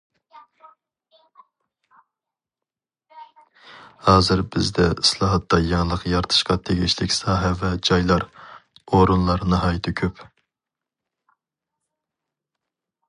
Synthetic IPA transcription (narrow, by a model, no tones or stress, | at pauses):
hɑːzɪɾbɪzd̪ɛɪslˠɑːɦɑt̪ːɑjɑŋlˠəqjɑɾt̪ʰɨ̥ʃqɑt̪ʰeɡʲiʃlʰɪkʲsɑːɦɛvɛd͡ʒɑjlˠɑɾ | oɾunlˠɑɾnɨɦɑːjɨt̪ʰɪkʲʰøp